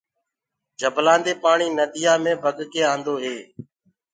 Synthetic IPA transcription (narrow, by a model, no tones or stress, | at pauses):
d͡ʒʱəblaːnd̪eːpaːɳiːnəd̪ɪjaːmẽːbʱəɡkeːãːnd̪oːɦeː